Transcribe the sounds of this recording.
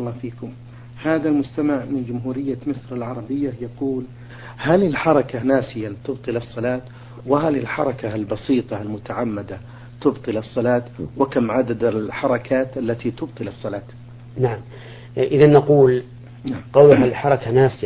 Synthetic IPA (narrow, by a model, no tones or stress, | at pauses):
lːɑːfiːkʊm | haːðalmʊst̪amaʕmɪnd͡ʒʊmɦuːɾɪjːamɪsɾɪlʕɑɾˤɑbɪjːajɑquːl | halɪlħɑɾˤɑkanaːsɪjat̪ʊbt̪ˤɨlɑsˤːɑlɑːt̪ | wɪɦalɪlħɑ̰ɾˤɑkalbɑsiːt̪ˤɑlmʊt̪aʕamːad̪a | t̪ʊbt̪ˤɨlɑsˤːɑlɑːt̪wɪkamʕad̪ad̪ɪlħɑɾˤɑkʰaːt̪ʔalːat̪it̪ʊb̚t̪ˤɨlɑsˤːɑlɑːt̪ | naʕam | ʔɪðanːɑquːl | naʕmqɑwlʊɦaħɑɾˤɑkanaːsɪa